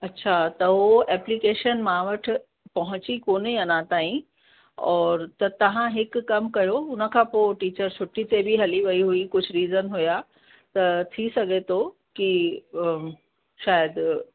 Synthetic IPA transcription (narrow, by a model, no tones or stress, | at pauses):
ɐtːɕʰat̪ɐɦoɛːplikeːʃənmãʋɐʈ̆ʰ | pɐɦʊ̃t͡ɕikoːniɐnãt̪aːĩ | ɔːɾt̪ɐt̪ɐʋ̤ãɦɪkːɐmkɐjoʊnə̆kʰãːpoʈiːt͡ɕəɾt͡ɕʰʊʈit̪ebiɦɐliʋɐiɦuikʊd͡ʑʱʊɾiːzənɦuja | t̪ɐt̪ʰisɐɡʱet̪ʰo | ki | ʃaːjəd̪